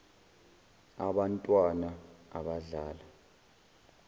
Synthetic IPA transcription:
aɓantʼwanaa̰ɓaɮaːla

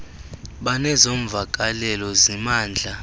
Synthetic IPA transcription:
ɓanɛzoɱvak̬ʼalɛlɔzimaːnd͡ɮʱa

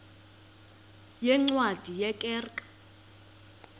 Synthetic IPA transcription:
jɛŋ͡ǀwad̥ʱijɛkʼɛːrkʼḁ

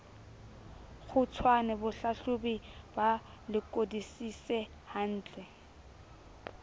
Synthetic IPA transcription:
k͡xʰʊt͡sʰwanɛbʊɬaɬʊbiba | lɪkʼodisisɛ | han̩ːt͡ɬʼɛ

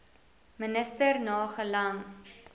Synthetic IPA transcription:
mənəstərnɑːχəlɐŋ

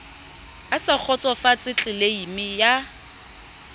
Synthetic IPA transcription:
asak͡xʰɔt͡sʼɔfat͡sʼɪt͡ɬʼɪleimɪja

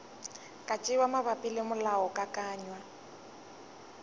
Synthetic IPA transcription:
kʼat͡ʃʼɪwamabapʼilɪmʊlaɔkʼakʼaːɲwa

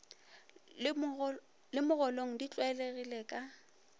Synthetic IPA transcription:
lɪmʊɣɔloŋ̩dit͡ɬʼwaɪleɣileːkʼa

